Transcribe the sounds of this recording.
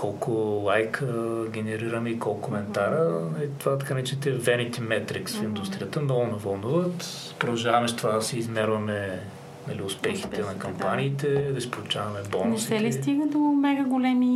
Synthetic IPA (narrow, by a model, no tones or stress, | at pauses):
kɔlˠkʊlˠajkʰəɡ̟ʲɛnɛɾiɾəmɛikɔlˠkkomɛnt̪aɾənɐlit̪ovat̪ɐ̥kanɛt͡ʃt̪ɛvɛnit̪ɛmɛt̪ɾiksfind̪ust̪ɾʲijət̪ənɔlnɐvɐlˠnuvət̪ | pɾod̪ɐʒavɐmɛʃt̪ovad̪ɐsɛizmɛɾvɐmɛ | nɐ̰liʊspɛxi̥t̪ɛnɐkɐmppaniːt̪ɛd̪ɐsi̥polˠʊt͡ʃavɐmɛbɔnnɛʃst̪ɛlist̪iɡ̪əd̪omɛɡəɡolɛmi